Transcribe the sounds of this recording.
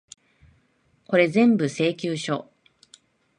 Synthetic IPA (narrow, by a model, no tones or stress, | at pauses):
ko̞ɾe̞zẽ̞mbɯ̟se̞ːkʲɨːɕo̰